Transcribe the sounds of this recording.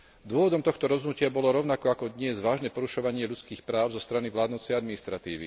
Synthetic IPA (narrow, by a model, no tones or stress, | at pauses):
d̪ʊɔʋɔd̪ɔmt̪ɔxt̪ɔɾɔzɦnucɪabɔlɔɾɔʊnakɔakɔd̪ɲɪɛzʋaːʒnɛːpɔɾuʃɔʋaɲɪɛʎut͡skiːxpɾaːʊzɔst̪ɾaniʋlaːd̪nut͡sɛjad̪minist̪ɾat̪iːʋḭ